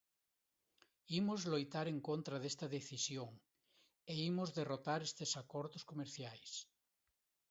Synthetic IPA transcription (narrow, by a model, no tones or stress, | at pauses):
imozlojt̪aɾeŋkont̪ɾaðest̪ɐðeθisjoŋ | eimozðerot̪aɾest̪esakoɾðoskomeɾθjajs